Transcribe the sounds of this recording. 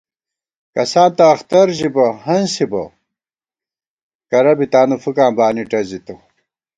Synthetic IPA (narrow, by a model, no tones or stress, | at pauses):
kɐsaːnt̪ɐːxt̪ɐɾʑibɐɦɐnsibɐ̰ | kɐɾɐbit̪aːnufukaːmbaːniʈɐzit̪u